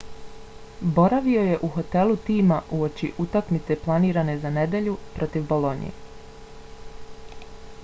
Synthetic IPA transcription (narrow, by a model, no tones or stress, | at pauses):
bo̞ɾaʋio̞je̞ʔuɦo̞t̪e̞lˠut̪iːmaʔuo̞t͡ʃiʔut̪akmit̪se̞plˠaniːɾane̞zane̞d̪e̞ʎupɾo̞t̪iʋbo̞lˠo̞nḭḛ